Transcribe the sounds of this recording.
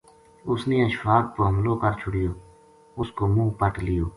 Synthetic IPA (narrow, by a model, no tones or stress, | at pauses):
ʊsniːəʃfaːt̪̚poɦəmloːkəɾt͡ʃʰʊɽɪjoː | ʊskoːmũːpəʈlɪjoː